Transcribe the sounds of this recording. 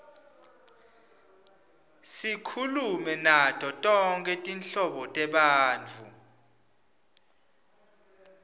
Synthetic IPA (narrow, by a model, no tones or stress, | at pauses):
sikʰulumɛnatʼɔtʼɔŋkʼɛtʼinɬɔɓɔtʼɛɓaːnt͡fʰu